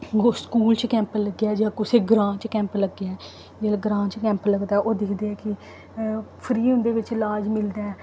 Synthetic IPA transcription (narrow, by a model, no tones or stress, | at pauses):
ɡoskuːlt͡ʃkɛ̃ːmpəlləɡːjaːd͡ʒãːkʊseːɡɾãːt͡ʃkɛ̃ːmpləɡːjaɛː | d͡ʒeːlɡɾãːt͡ʃkɛ̃ːmpləɡd̪aːɛʔoːd̪ɪkʰd̪eːɛːkɪ | pʰɾiːɦʊ̃nd̪eːʋɪt͡ʃlaːd͡ʒmɪld̪aɛː